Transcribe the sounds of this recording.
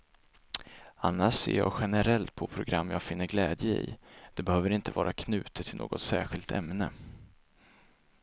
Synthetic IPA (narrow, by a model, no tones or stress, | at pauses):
anːaʂsḛːjɑ̰ːɡɧɛnəɾɛlt̪̚pʰɔpʰɾʊɡɾamːjɑːɡfɪnːəɾɡlɛːd̪jəḭːd̪̥ɛbɛhøːvəɾɪnt̪ʰəvɑːɾakʰnʉ̟ːt̪ət̪ʰːɪlo̰ːɡɔt̪sæːɾɧɪlt̪ʰɛ̰mnə